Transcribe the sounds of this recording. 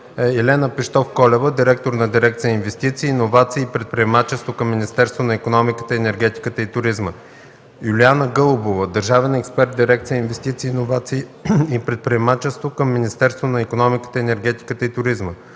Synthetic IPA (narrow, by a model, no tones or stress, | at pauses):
ɛɛlɛnəpiʃt̪ɔfkɔlʲɛvəd̪iɾɛk̚t̪oɾnɐd̪iɾɛk̚t̪sijəinvɛst̪it̪siːnovat̪siːpɾɛt̪̚pɾiɛmat͡ʃɛst̪vokəmːinist̪ɛɾst̪vonɐikonɔmikə̥t̪əɛnɛɾɡʲɛt̪i̥kət̪əit̪ʊɾizmə | julianəɡɤlˠʊbovəd̪əɾʒavɛnɛkspɛɾt̪̚d̪iɾɛk̚t̪ijəinvɛst̪it̪siːnovat̪siipɾɛt̪̚pɾiɛmat͡ʃɛst̪vokəmːinist̪ɛɾst̪vonɐikonɔmikə̥t̪əɛnɛɾɡɛt̪i̥kət̪əit̪ʊɾizmə